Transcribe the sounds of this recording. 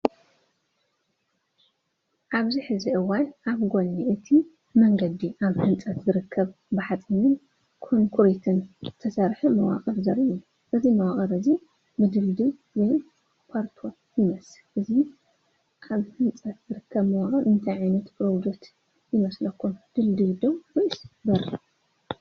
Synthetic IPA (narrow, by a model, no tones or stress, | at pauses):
ʔaβziħɨziʔɨwːanʔaβɡo̞nːiʔɨt̪ʰi | mɐŋɡɐd̪iʔaβhɨnt͡sʼɐt̪zɨɾɨkʰːɐβ | bɨħat͡s̪ʼinɨn | kʰonkʰuɾit̪ʰɨnt̪ʰɐsɐɾħimɐwa̰χʼɐɾzɐɾiʔu | ʔɨzimɐwaχʼɐɾɨzi | bɨd̪ɨld̪i | zoj | pʰaɾt̪ʰo̞ | jɪmɐslʔɨzi | ʔaβhɨnt͡sʼɐt̪zɨɾɨkʰːɐβmɐwaχʼɐɾɨnt̪ʰajʕajnɐt̪pɾod͡ʒek̚t̪ | jɪmɐslɐkːumd̪̥ɨld̪id̪owboʔisbɐɾi